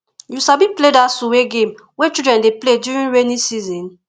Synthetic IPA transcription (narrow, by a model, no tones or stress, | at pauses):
jusabipledasuweɡẽm | wɛt͡ʃidɹɛ̃ndepledjuɹĩnɹenisizɔ̃n